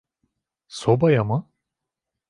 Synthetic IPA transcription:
sobajamɯ

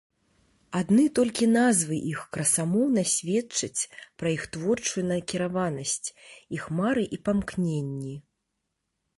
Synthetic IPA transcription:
ad̪nɨt̪ɔlʲkʲinazvɨʔixkɾɐsamɔwnɐsʲvʲɛt͡ʂɐt͡sʲpɾɐjixt̪vɔrt͡ʂujunɐkʲiɾavanɐsʲt͡sʲixmaɾɨʔipamknʲenʲːi

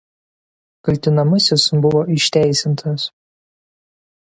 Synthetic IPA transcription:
kɐlʲt̪ʲɪnɐmʊsʲɪsbʊʋoːɪʃʲt̪ʲæˑɪsʲɪnt̪ʰɐs

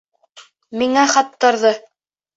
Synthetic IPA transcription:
miŋæχɑt̪ːɤ̆ɾðɤ

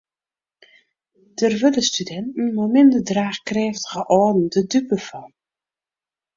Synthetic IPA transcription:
d̥ərʋɵdəstydɛntn̩momɪndədraːχkreːftəχəʔɔːdn̩dədypəfɑn

